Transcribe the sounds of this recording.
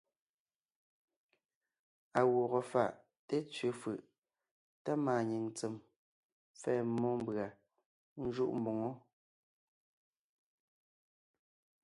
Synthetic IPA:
a˨wɔ˨ɣɔ˨fa˨ʔ | te˦t͡sɥe˨˦fɯ˨ʔ | ta˦maː˨ɲi˨ŋt͡se˨m | fɛː˨mɔ˦m˦bɰa˨ | n̩˦ʒu˦˨ʔm̩˦bo˨ŋo˦

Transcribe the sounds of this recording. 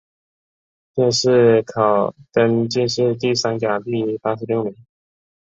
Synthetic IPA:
t̪jɛ˥˧nʂɻ̩˥˩kʰɑ˨˩ʊt̪ə˥nt͡ɕi˥˧nʂɻ̩˥˧t̪i˥˩sa˥nt͡ɕja˨˩t̪i˥˧pa˥ʂɻ̩˧˥ljo˥˩ʊmi˧˥ŋ

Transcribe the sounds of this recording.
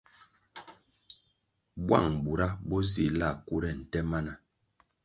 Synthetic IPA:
bwa̰˦˨ŋbu˨ɾa˦bɔ˦zi˦˨la˦˨ku˦ɾɛ˦˨n̩˨tɛ˦ma˦na˨

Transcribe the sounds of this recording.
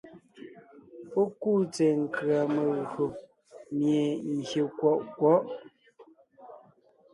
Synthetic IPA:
pɔ˦ku˦˨t͡sɛ˨ŋ̩˨kɰa˨me˨ɣo˨ | mje˨ŋ̩˨ɡje˨kwɔ˦˨ʔkwɔ˦ʔ

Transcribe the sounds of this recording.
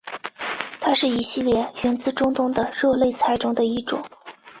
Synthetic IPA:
t̪ʰa˥ʂɻ̩˥˩i˨˩ɕi˥˧ljɛ˥˩ɥɛ˧˥nt͡sɹ̩˥ʈ͡ʂʊ˥ŋt̪ʊ˥ŋd̪ə˨ɻɤ˥˧le˥˧ɪt͡sʰa˧˥ɪʈ͡ʂʊ˥ŋd̪ə˧i˥ʈ͡ʂʊ̰˨˩˦ŋ

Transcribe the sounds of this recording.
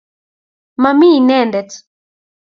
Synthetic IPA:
ma˨mi˦˨nɛ˦ndɛ˨t

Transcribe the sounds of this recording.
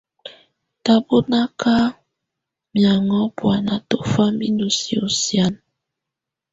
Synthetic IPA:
ta˦bo˦na˦ka˦ | mja˨ŋɔ˦bwa˨na˨to˦fa˦mi˦ndu˨si˨o˨sja˦n

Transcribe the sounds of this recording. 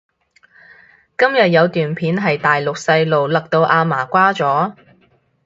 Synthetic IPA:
kɐ˥mjɐ˨t̚jɐ˨˧wt̪yː˨npʰiː˨˥nɦɐ˨jt̪aː˨jlʊ˨k̚sɐ˧jlo˨wlɐ˨k̚t̪o˧wʔaː˧maː˨˩kʷaː˥t͡sɔː˨˥

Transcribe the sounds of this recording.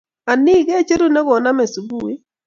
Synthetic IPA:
a˨ni˦˨ɡe˦t͡ʃe˦ɾu˦nɛ˦ɣɔ˨na˦me˨su˨bu˦e˦

